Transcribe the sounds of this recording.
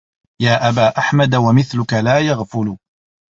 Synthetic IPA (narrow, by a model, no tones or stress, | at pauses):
jaːʔabaːʔaħmad̪wamɪθlʊkalaːjaɣfʊlʊ